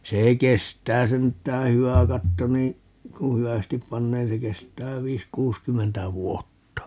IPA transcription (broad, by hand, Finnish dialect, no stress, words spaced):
se kestˑæː sentˑæː hyæ kɑtːo nĩː ku hyæstip pɑnːeː se kestˑæː ʋiːs kuːskymːentæ ʋuotːɑ